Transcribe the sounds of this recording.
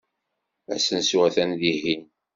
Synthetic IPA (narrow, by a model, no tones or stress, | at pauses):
æ̰sənsuʁæθænðihin